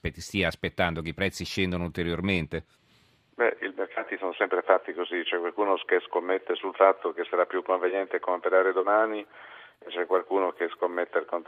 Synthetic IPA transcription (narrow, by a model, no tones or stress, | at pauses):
pet̪ːst̪iaːspet̪ːand̪okeipɾɛt̪sːiʃɛnd̪onoult̪eɾjorment̪e | bɛʔilmerkʰaːt̪isonosɛmpɾefat̪ːikozit͡ʃɛkːwalkuːnokeskomːet̪ːesulfat̪ːok̟esaɾapːjukːoɱvenjɛnt̪eakːompeɾaːɾed̪omaːni | et͡ʃɛkwalkuːnokeskomːet̪ːealkont̪